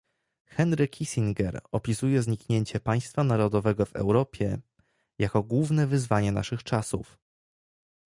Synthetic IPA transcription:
xɛnɾɘkʰʲisʲiŋɡɛɾɔpʲisujɛzɲikɲeɲt͡ɕɛpaj̃st̪fanaɾɔd̪ɔvɛɡɔvɛ̰wɾɔpʲjɛ | jakɔɡwuvnɛvɘzvaɲɛna̰ʂɘxt͡ʂasṵf

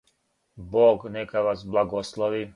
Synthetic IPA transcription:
boːɡnɛkaʋasblˠaɡoslˠoʋi

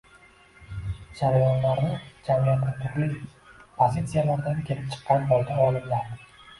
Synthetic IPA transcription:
d͡ʒaɾajɒnlaɾnɪd͡ʒamijat̪nʲɪt̪ʰʊɾlipʰozit̪sijalaɾd̪ankʲʰe̞lɪp̚t͡ʃʰɨ̥qːɑnbɒlˠd̪ʲaɒlˠɪmd̪a

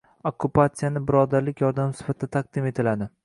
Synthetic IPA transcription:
okːupat̪sijanɪbɪɾɒd̪aɾlɪkʲʰjɒɾd̪amsɪ̥fat̪ʰd̪at̪ʰaq̚d̪ɪme̞t̪ʰɪlad̪ɪ

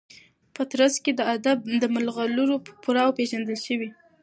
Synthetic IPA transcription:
pət̪ɾasked̪əad̪ab̚d̪əmalɣaluɾopʊɾɑwopeʒand̪əlʃəwi

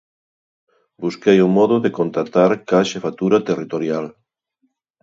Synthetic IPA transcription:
buskejumɔðʊðekont̪ɾat̪aɾkaʃefat̪uɾat̪erit̪oɾjal

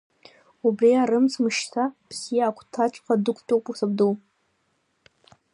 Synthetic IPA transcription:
ubriaɾɨmt͡sʰmɨʃtʰapʰsijaːkʷʰtʰat͡ʃʷʼqʰadɨkʷʰtʼowpʼusɨb̚duw

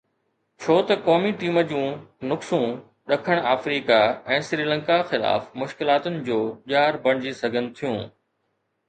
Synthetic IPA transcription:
t͡ɕʰoːt̪ɐkɔːmiʈiːmə̆d͡ʑũːnʊksũ | ɗɐkʰəɽ̃aːfɾiːkaɛ̃ːsɾiːlə̃ŋkaxɪla̰ːfmʊʃkɪlaːt̪ʊnɪ̆d͡ʑoːʄaːɾbɐɽ̃d͡ʑisɐɡʱənɪ̆t̪ʰijũː

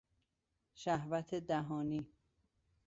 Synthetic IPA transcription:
ʃæhvæt̪ʰed̪æɦɒːniː

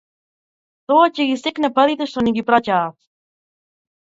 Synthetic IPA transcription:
t̪oaceɡisɛknɛpaðit̪ɛʃt̪oniɡipɾacaːt̪

